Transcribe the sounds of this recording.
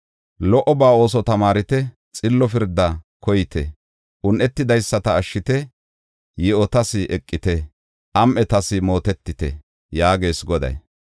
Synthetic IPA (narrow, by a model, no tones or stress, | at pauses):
lɔʔɔbaːo̞ːs̬ɔt̪ɐmaːɾɪt̪ɛ | t͡sʼɪlːɔfɪɾd̪ːɐ | kɔjɪt̪ɛ̰ | ʔʊnʔɛt̪ːɪd̪ɐjsːɐt̪ɐːʃːɪt̪ɛ | jɛɔt̪ɐsɪʔɛkʼːɪt̪ɛ | ʔɐmʔɛt̪ɐsɪmo̞ːt̪ɛt̪ːɪt̪ɛ̰ | jaːɡe̞ːsɡɔd̪ɐ̰j